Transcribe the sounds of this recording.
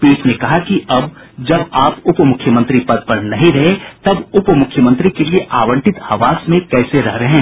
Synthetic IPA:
peːʈnẽkɐɦakiɐb | d͡ʒɐbaːpʊpmʊkʰːjəmə̃nt̪ɾipɐd̪̚pɐɾnɐɦĩɾɐɦet̪ɐbʊpmʊkʰjəmə̃nt̪ɾikelieʔaːʋə̃ɳʈɪt̪ɐʋaːsmẽkɛːseɾɐɦɾeɦɛ̃ː

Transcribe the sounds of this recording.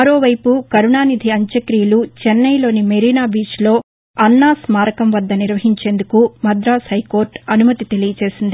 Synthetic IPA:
ɐɾo̞ːʋɐjpukɐɾuɳaːnid̪ʱiɐɲt͡ʃɐkɾiːlut͡ʃɛnːɐjlo̞ːnimeɾiːnaːbiːt͡ʃlo̞ː | ɐnːaːsmaːɾɐkɐmʋɐd̪ːɐniɾʋɐɦiɲt͡ʃe̞ːnd̪ukumɐd̪ɾaːshɐjko̞ːɾʈɐnumɐt̪it̪e̞lijɐt͡ʃe̞ːsind̪i

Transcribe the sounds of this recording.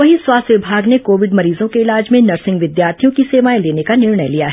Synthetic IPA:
ʋɐɦiswaːst̪ʋɪbʱaːɡnekoːʋɪɖmɐɾiːzõkeɪlaːd͡ʒmẽnɐɾsɪ̃ŋɡʋɪd̪jaːɾt̪ʰijõkiseːʋaːjleːnekanɪɾɳəjlijaɦɛ

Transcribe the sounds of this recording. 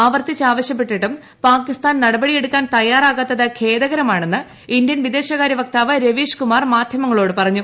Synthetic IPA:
aːʋɐrt̪it͡ɕːaːʋɐɕjɐp̬ːe̞ʈːiʈːum | paːkːist̪aːnnɐɽɐbɐɽije̞ɽukːaːnt̪ɐjaːraːɣɐt̪ːɐðɨkʰe̞ːðɐɣɐɾɐmaːɳe̞nːɨ | ind̪jɐnʋid̪e̞ːɕɐɣaːɾjɐʋɐk̚t̪aːʋɐɾeʋiːʂkumaːrmaːd̪ʱjɐmɐŋːɐɭo̞ːɽɨpɐrɐɲːu

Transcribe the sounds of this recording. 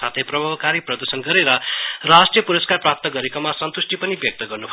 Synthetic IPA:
at̪ʰʌjprʌbʱabkaɾiprʌd̪ursʌnɡʌɾeɾʌrasʈrijʌpuɾʌskarprap̚t̪ʌɡʌɾekomasʌnt̪usʈipʌnibjʌk̚t̪ʌɡʌrnubʰ

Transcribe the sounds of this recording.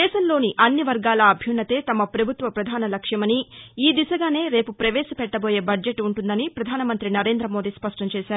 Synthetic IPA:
d̪ɛːʃɐmlo̞ːniʔɐnːiʋɐɾɡaːlɐːbʱjunːɐt̪eːt̪ɐmɐpɾɐbʱut̪ʋɐpɾɐd̪ʱaːnɐlɐkʂjɐmɐniiːd̪isɐɡaːne̞ːɾe̞ːpupɾɐʋeːsɐpɛʈːɐbo̞ːje̞ːbɐd͡ʒeʈːuɳʈund̪ɐnipɾɐd̪ʱaːnɐmɐnt̪ɾinɐɾe̞ːnd̪ɾɐmoːd̪iːspɐʂʈɐmt͡ʃɛːʃaːɾuu

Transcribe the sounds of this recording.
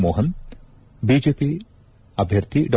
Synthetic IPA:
moɦən | bid͡ʒepi | abʱjɐɾt̪ʰiɖɔ

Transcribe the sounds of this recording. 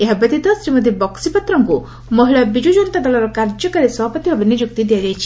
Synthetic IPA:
eɦabɐt̪it̪ɔsɾimɔd̪ʱjebɔksipɔt̪ɾɔŋku | mɔɦiɭabid͡ʒud͡ʒɔnt̪ad̪ɔlɔɾɔkaɾd͡ʒɔkɔɾesɔbʱapɔt̪iɦɔbinid͡ʒuk̚t̪id̪ijad͡ʒajt͡ʃʰi̥

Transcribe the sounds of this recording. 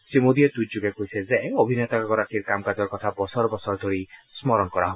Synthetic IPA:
simod̪iet̪ud͡ʒuɡekoisezeobʱinet̪akakɔɾat̪ʰiɾkamkad͡ʒɔɾkɔt̪ʰabɔsɔɾɔbɔsɔɾd̪ʱoɾismɔɾɔnɔkɔɾa̰ɦo

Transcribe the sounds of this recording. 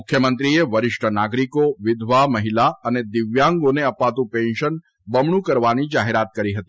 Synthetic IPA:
mʊkʰːjəmənt̪ɾieʋəɾɪʃʈʰənaɡɾikoʋɪd̪ʱʋaməɦilaəned̪ɪʋjãŋɡoneəpat̪ũpɛ̃nʃən | bəmɳũkəɾʋanid͡ʒaɦeɾat̪̚kəɾiɦət̪i̥

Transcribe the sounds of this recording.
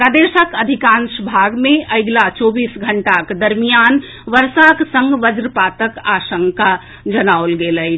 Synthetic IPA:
pɾad̪esəkəd̪ʱikãnsbʱaɡmẽʔəɪɡlat͡ʃobiːsɡʱəɳʈaked̪əɾmijan | ʋəɾsaksə̃ŋɡʋəd͡ʒɾpat̪əkasəŋka | d͡ʒənaolɡeləj

